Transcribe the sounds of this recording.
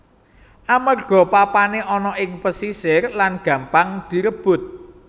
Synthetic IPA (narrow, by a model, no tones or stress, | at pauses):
ʔamərɡ̥ɔ̤papaneʔɔnɔʔɪŋpəsisɪrlanɡ̥ä̤mpaŋd̪̥i̤ɾəb̥ʊ̤t̪̚